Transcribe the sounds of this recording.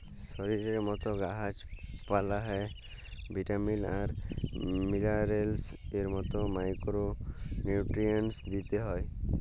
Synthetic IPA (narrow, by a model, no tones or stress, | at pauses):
sɔɾiɾeɾmɔt̪ɔɡaɦad͡ʒpalaɦɔj | bʱiʈamilaɾ | milaɾelseɾmɔt̪ɔmajkɾonuuʈɾiənsd̪it̪eɦɔj